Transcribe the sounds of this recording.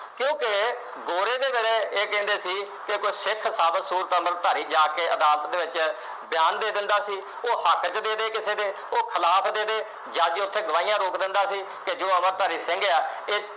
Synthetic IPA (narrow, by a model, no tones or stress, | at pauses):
kjõːke | ɡoːɾeːd̪eːbeːɽeːeːkɛ̃ːnd̪eːsiː | kekoːsɪkʰsaːbəsuːɾt̪əməɾt̪aːɾiːd͡ʒaːkeːʔəd̪aːlt̪d̪eːʋɪt͡ʃ | bjaːnd̪eːd̪ɪnd̪aːsiː | oːhəkt͡ʃd̪eːd̪eːkɪseːd̪eː | oːkʰəlaːpʰd̪eːd̪eː | d͡ʒaːd͡ʒiʊst̪ʰeːɡəʋaːiːjãːɾoːkd̪ɪnd̪aːsiː | ked͡ʒoːəməɾt̪aːɾiːsɪ̃ŋɡaːeː